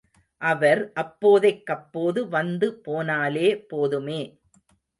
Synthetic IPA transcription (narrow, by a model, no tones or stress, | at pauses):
ʔɐʋɐɾʔɐpːoːðɐɪkːɐpːoːðɯʋɐnd̪ɯpoːnaːleːpoːðɯmeː